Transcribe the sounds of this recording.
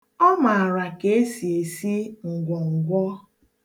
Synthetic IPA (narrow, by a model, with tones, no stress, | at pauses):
ɔ˦ma˨ɾa˨ke˨˦si˨e˨si˦ŋ̩˨ɡʷɔ˨ŋ̩˨ɡʷɔ˦